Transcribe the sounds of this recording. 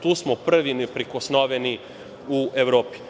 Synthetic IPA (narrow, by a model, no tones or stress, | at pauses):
t̪uːsmopr̩ʋinɛpɾikosnoʋeni | uʔeʋɾoːpi̥